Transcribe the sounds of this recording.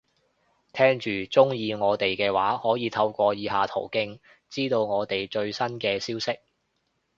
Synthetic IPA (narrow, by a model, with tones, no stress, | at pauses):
t̪ʰɛː˥ŋt͡ʃyː˨t͡sʊ˥ŋjiː˨˧ŋɔː˨˧t̪e˨jkɛː˧waː˨˥hɔː˨˥jiː˨˧t̪ʰɐ˧wkʷɔː˧jiː˨˧ɦaː˨t̪ʰo˨˩wkɪ˥ŋ | t͡siː˥t̪o˧wŋɔː˨˧t̪e˨˩jt͡ʃɵ˧ɥsɐ˥nkɛː˧siː˥wsɪ˥k̚